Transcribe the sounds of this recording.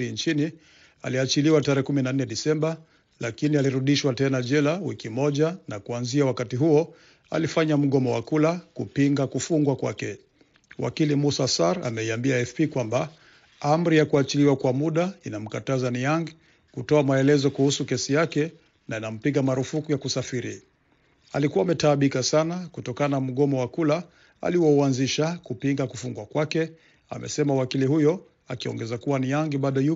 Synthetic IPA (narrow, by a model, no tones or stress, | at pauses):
ɾint͡ʃini | a̰liat͡ʃiliwataɾɛːɛkuminanɛɗisɛmba | lakinialiɾuɗiʃwatɛnaʄɛlawikimɔʄanakuanziawakatiɦuɔ | a̰lifaɲam̩ɠɔmɔwa̰kulakupiŋɡakufuŋɡwakwa̰kɛ | wʔa̰kilimusasaɾa̰mɛiambiaɛfpikwamba | am̩ɾijakuat͡ʃiliwakwamuɗainam̩katazaniaŋɡi | kutɔamaɛlɛzɔkuhusukɛsijakɛ | nainam̩piɡamaɾufukujakusafiɾi | a̰likuaːmɛtaːɓikasanakutɔkananam̩ɠɔmɔwakula | a̰liwɔuanziʃakupiŋɡakufuŋɡwakwakɛ | a̰mɛ̰sɛmawakilihujɔ | a̰kiɔ̰ŋɡɛzakuwanijaŋɡiɓaɗɔju